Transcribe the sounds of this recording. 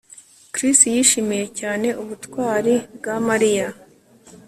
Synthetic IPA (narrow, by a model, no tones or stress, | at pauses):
kɾistijiʃimije̞caːne̞ʔuβutkwaːɾibɡamaɾija